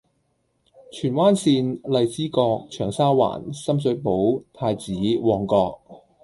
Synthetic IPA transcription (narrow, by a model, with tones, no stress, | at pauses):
t͡ʃʰyː˨˩nwaː˥nsiː˧nlɐ˨jt͡siː˥kɔː˧k̚t͡ʃʰœː˨˩ŋsaː˥wa̰ː˨˩nsɐ˥ms̬ɵ˨˥po˨˥wt̪ʰaː˧jt͡siː˨˥wɔː˨ŋkɔː˧k̚